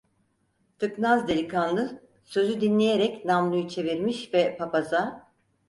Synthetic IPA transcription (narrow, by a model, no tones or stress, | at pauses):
t̪ʰɯknazd̪e̞lʲikʰanlˠɯ | sø̞zyd̪inlʲejeɾɛcnamlˠɯjut͡ʃʰe̞viɾmiʃvɛpʰapaza